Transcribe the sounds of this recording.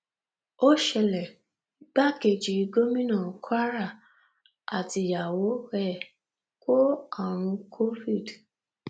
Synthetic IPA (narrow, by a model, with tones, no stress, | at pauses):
o˦ʃɛ˧lɛ˨ | i˦ɡ͡ba˦ke˧˨d͡ʒi˨i˧ɡo˦mĩ˦nã˦˨kʰa˦ɾa˦˨ | a̰˨ti˧ja˨wo˨˦ɛ˦˨ | ko˦a˨ɾ̃ũ˧kʰo˦fi˦˨d